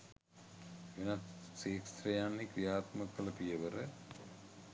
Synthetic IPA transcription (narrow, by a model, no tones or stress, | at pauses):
ʋenat̪seːksɾɐjanːikʋijaːt̪məkəlɐpijəʋəɾə